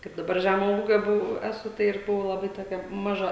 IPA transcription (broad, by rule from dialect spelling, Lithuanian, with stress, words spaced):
kɐɪp dɐˈbɐr ˈʒʲæmoː ˈuːɡʲoː ˈbʊʋɐʊ ˈæːsʊ ˈtɐɪ ɪr ˈbʊʋɐʊ lˠɐˈbɐɪ toːˈkʲɛ mɐˈʒɐ